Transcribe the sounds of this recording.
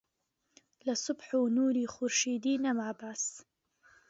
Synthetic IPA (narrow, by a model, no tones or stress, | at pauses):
lɐsʊbħuːnuːɾiːxʊɾʃiːd̪iːnɐmaːbaːs